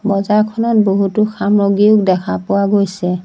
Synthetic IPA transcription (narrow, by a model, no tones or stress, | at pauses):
bɔzaɹkʰɔnɔt̚boɦutʊkʰamɹoɡiʊk̚dɛkʰapʊwaɡojsɛ